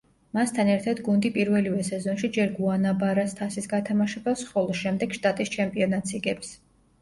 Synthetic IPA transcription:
mast̪ʰanɛɾt̪ʰad̪ɡund̪ipʼiɾvɛlivɛsɛzɔnʃid͡ʒɛɾɡuanabaɾast̪ʰasisɡat̪ʰamaʃɛbasχɔlˠɔʃɛmd̪ɛɡ̥ʃt̪ʼat̪ʼist͡ʃʰɛmpʼiɔnat̪sʰiɡɛps

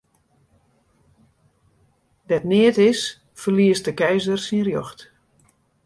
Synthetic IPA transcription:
dɛtnɪətɪs | fərliəst̚dəkɛjzərsinrjɔxt

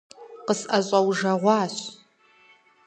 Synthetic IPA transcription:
qəsʔɐɕʼɐwʒɐʁʷɑːɕ

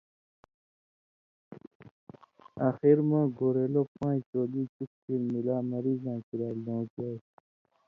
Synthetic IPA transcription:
axiɾmãːɡoːɾeːloːpãːt͡ʃoːliːt͡ʃuk̚tiɾmilaːmɐɾiːzãːkiɾaːlõːd͡ʒaː

